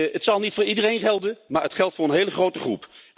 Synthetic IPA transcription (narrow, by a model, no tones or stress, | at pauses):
ətsɑlˠnitfʊːɹidərejnχɛlˠdənmaːɹɦətχɛlˠtfʊːɹənɦejləχrowtəχrṵp